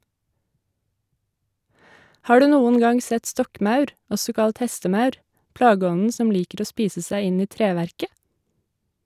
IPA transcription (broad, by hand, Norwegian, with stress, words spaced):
ˈhɑː ˈɖʉː ˈnuːən ˈɡɑŋ ˈsɛt ˈstɔkˌmɑʉɾ ˈɔsɔ ˈkɑlt ˈhɛstəˌmɑʉɾ ˈplɑːɡəˌɔnən ˈsɔm ˈliːkəɾ ˈoː ˈspiːsə ˈsæɪ ˈɪn ˈiː ˈtɾeːʋæɾkə